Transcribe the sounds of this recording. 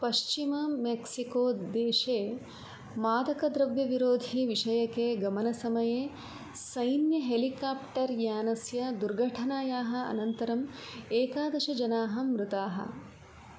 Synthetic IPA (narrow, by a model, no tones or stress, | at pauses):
pɐʃt͡ʃimɐmeksikoːd̪eːʃeː | maːd̪ʱɐkɐd̪ɾɐʋjɐʋiɾoːd̪ʱiʋiʂɐjɐkeɡɐmɐnɐsɐmɐjeː | sɐjnjɐɦelikaːpʈɐɾjaːnɐsjɐd̪uɾɡʱɐʈʰɐnaːjaːɦɐ̆ɐ̰nɐnt̪ɐɾɐmeːkaːd̪ɐʃɐd͡ʒɐnaːɦɐmɾut̪aːɦɐ̰